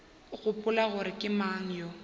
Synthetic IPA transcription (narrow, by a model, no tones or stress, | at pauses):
ɣʊpʼʊlaɣʊɾɪkʼɪmaŋ̩jɔ